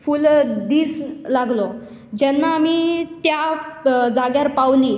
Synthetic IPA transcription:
fuld̪iːslaɡlɔ | d͡ʑɛnːaːmit̪ja | d͡zaɡjaɾpawli

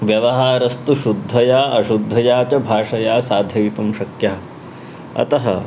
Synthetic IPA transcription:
ʋjɐʋɐɦaːɾɐst̪uʃud̪ʱːɐjaːʔɐʃud̪ʱːɐjaːt͡ʃɐbʱaːʂɐjaːsaːd̪ʱjɐʋit̪umʃɐkjaɦɐ | ɐ̰t̪ɐɦɐ̰

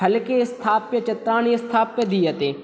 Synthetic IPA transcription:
ɐlkest̪ʰaːpjət͡ʃɐt̪ɾaːnist̪ʰaːpjəd̪iːɐt̪eː

